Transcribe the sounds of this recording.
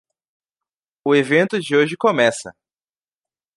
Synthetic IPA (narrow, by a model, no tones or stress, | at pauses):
ʊevẽnt̪ʊd͡ʒɪoʒɪkomɛsɐ̰